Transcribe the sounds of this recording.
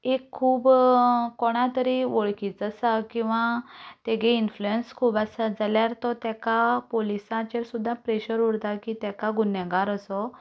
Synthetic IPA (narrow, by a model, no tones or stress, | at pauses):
ekʰːuːbkoɽ̃ãt̪əɾiʋoɭkiːt͡səsakĩw̃ʋãt̪eɡeinfluenskʰuːbasad͡zaljaɾt̪ɔt̪ɛkapolisãt͡ɕeɾsud̪ʱːãpɾeɕəɾuɾt̪akit̪ɛkaɡunjaɡaɾəsɔ